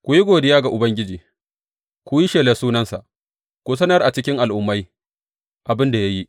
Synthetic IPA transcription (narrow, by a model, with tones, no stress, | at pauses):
kʷʊ˦ji˦ɡʷoː˨dɪ˦jaː˦ɡa˨ʔʊ˨bɐ˦ŋɡʲɪ˦d͡ʒiː˨ | kʷʊ˦ji˦ʃeː˨le˨suː˦nɐ˦nsa˨ʔ | kʷʊ˦s̬ɐ˦nɐ˦rʔa˨t͡ʃɪ˦kʲɪ˦ŋʔa˨lʔʊ˦mːa˦j | ʔa˨bɪ˦nda˨ja˦ji˦ʔ